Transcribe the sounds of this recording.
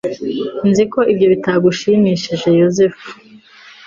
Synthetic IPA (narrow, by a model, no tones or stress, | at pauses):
nziko̞ʔibɟo̞βitaɡuʃimiːʃiʒe̞jozef